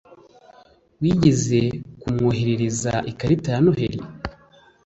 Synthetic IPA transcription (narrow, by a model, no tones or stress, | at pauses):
wiːɟeze̞kumŋo̞ːɦeɾeɾiza̰ʔikaɾitaːnoheɾḭ